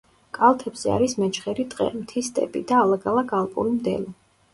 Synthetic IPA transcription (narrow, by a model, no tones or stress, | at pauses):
kʼalˠt̪ʰɛbz̥ɛa̰ɾismɛt͡ʃʰχɛɾit̪ʼqʼɛ̰mt̪ʰist̪ʼɛ̰pʼḭd̪aːlˠaɡalˠaɡalˠpʼṵɾimd̪ɛ̰li